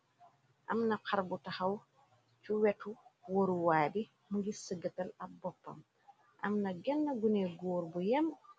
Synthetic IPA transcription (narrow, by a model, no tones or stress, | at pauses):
ʔɐ̰mnɐqʰaɾbutaxɐw | t͡ʃuwɛtuwoɾuwaːdi | muɡisəɡɐtɐlɐbɔpːɐ̰m | ʔɐ̰mnɐɡɛnːɐɡunɛɡɔːɾbujɐm